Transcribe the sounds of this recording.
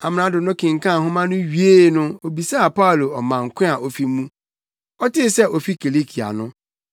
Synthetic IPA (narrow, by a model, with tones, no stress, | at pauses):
a˨m̃˨nã˨˦dʊ˨nʊ̃˦kʰɪ̃˨ŋ̩˨kʰã˦˨ɦʊ̃˦mã˦nʊ̃˦ɥi˨˦e˦˨˦nʊ̃˦o˨bi˨sa˦a˨pa˦u˨lo˨ɔ˨mã˨ŋ̩˨kʷʰɪ̃˦a˨o˨fi˦mũ˦ | ɔ˦tɪ˦sɛ˦ʔɔ˨fi˦kʰe˨le˦kʰi˨a̰˨nʊ̃˦